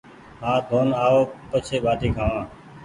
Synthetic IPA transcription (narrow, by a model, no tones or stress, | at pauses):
ɦaːd̪ʱoːnaːoːpət͡ʃʰeːɓʱaːʈiːkʰaːʋãː